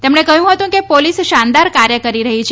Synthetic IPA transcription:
t̪emɳekəɦjũɦət̪ũkepolisʃand̪aɾkaɾjəkəɾiɾəɦit͡ʃʰ

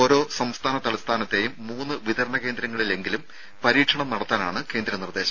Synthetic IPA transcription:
o̞ːɾo̞ːsɐmst̪ʰaːnɐt̪ɐlɐst̪ʰaːnɐt̪ːe̞jumːuːnːɨʋid̪ɐɾɐɳɐke̞ːnd̪ɾɐŋːɐɭile̞ŋɡilum | pɐɾiːʈʂɐɳɐmnɐɽɐt̪ːaːnaːɳɨke̞ːnd̪ɾɐmnird̪e̞ːɕɐm

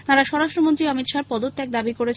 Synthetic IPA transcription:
t̪aɾaʃɔɾaʃʈɾomont̪ɾiʌmit̪ʃaɾpɔd̪ot̪ːɛk̚d̪abikoɾet͡ɕʰ

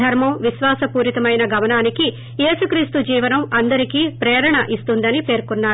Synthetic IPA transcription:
ɐɾmɐmʋiʃʋaːsɐpuːɾit̪ɐmɐjnɐɡɐmɐnaːniki | je̞ːsukɾiːst̪ud͡ʒiːʋɐnɐmɐnd̪ɐɾikiːpɾeːɾɐɳɐʔist̪und̪ɐnipe̞ːɾkunːaː

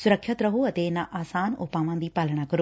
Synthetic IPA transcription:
sʊɾəkʰət̪ɾɐɦoɐt̪enɐʔaːsaːnoːpaːʋãːn̆d̪iːpaːləɽ̃akɐɾo

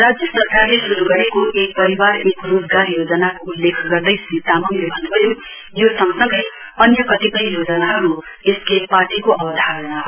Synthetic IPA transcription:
rad͡zjʌsʌrkarlesuɾuɡʌɾekoʔek̚pʌɾiwarekrod͡zɡaɾjod͡zʌnakoulːekʰɡʌrd̪ʌjsit̪ːamʌmnlebʱʌnbʌjo | josʌŋsʌ̃ŋɡʌj | ʌnjʌkʌt̪ipʌjjod͡zʌnaɦʌɾu | eskeparʈikoʌbʌd̪ʱaɾʌnaɦʌɾu

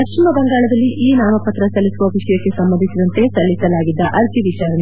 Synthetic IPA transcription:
ɐkʂimɐbɐŋɡaːɭɐd̪ɐlːiʔiːnaːmɐpɐt̪ɾɐsɐlːisuʋɐʋiʂɐjɐkːe̞sɐmbɐnd̪ʱisid̪ɐnt̪e̞sɐlːisɐlaːɡid̪ːɐʔɐɾt̪iʋit͡ʃaːɾɐɳe

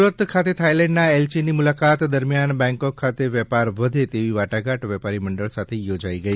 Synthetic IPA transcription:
uɾət̪kʰat̪et̪ʰajlɛ̃ɳɖnaelsinimulakat̪d̪əɾmjanbɛ̃ŋkokʰːat̪eʋɛpaɾʋəd̪ʱet̪eʋiʋaʈaɡaʈʋɛpaɾiməɳɖəɭsat̪ʰejod͡ʒaiɡəi

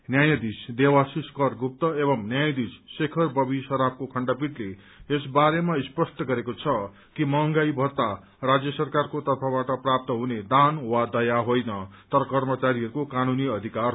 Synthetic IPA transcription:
njajʌd̪isd̪ewasiskʌrɡup̚t̪ʌebʌmnjajd̪isːekʰʌrbʌbisʌɾap̚kokʰʌɳɖʌpiʈle | esbaɾemaispʌsʈʌɡʌɾekot͡sʰʌ | kimʌŋɡajbʱʌrt̪a | rad͡zjʌsʌrkarkot̪ʌrpʰʌbaʈʌprap̚t̪ʌɦuned̪anwad̪ʌjaɦojnʌt̪ʌɾʌkʌrmʌt͡saɾiʌɾukokanuniʌd̪ʱikar

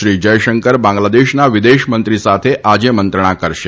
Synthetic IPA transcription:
ʃɾid͡ʒəjʃəŋkəɾbãŋɡlad̪eʃnaʋid̪eʃmənt̪ɾisat̪ʰeʔad͡ʒemənt̪ɾəɳ̃akəɾʃe

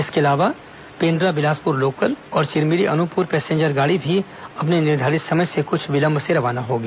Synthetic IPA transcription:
ɪskeɐlaːʋa | pẽːɳɖɾabɪlaːspʊɾloːkəlɔːɾt͡ʃɪɾmiɾiʔɐnʊpʊːɾpɛːsẽːɲd͡ʒəɾɡaːɽibʱi | ɐp̬nenɪɾd̪ʱaːɾɪt̪sɐməd͡ʒsekʊt͡ʃʰʋɪlɐ̃mbʱseɾɐʋaːnaɦoːɡaː

